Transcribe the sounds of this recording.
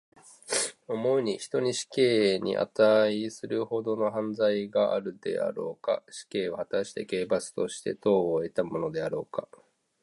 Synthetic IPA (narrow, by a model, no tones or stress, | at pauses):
o̞mo̞ɯɲ̟içi̥t̪o̞ɲ̟iɕi̥ke̞ːɲ̟ḭʔa̰t̪aisɨɾɯ̟ho̞d̪o̞no̞ɦãnd͡zaiɡaʔa̰ɾɯ̟d̪e̞̰a̰ɾo̞̰ːka̰ɕi̥ke̞ːohat̪aɕi̥t̪eke̞ːbat͡sɨ̥t̪o̞ɕi̥t̪e̞̰t̪o̞ːoe̞t̪amo̞no̞d̪e̞aɾo̞ːka